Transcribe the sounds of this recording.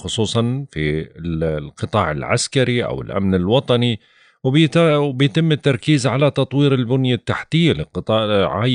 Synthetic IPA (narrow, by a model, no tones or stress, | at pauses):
xʊsˤuːsˤɑnfi | lqɨt̪ˤɑːʕɪ̰lʕa̰skaɾiʔa̰wɪ̰lʔa̰mnɪlwɑt̪ˤɑni | wb̪bɪjt̪ɪmːɪt̪ːɑɾˤkiːzʕalat̪ɑt̪ˤwiːɾɪlbʊnjat̪ːaħt̪ɪjːalɪqɨt̪ˤɑːʔʕa̰